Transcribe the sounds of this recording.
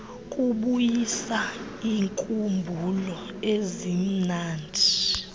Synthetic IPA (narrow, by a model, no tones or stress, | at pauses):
kʼuɓujisa | iːŋkʼumbʱulɔ | ezim̩naːndʱi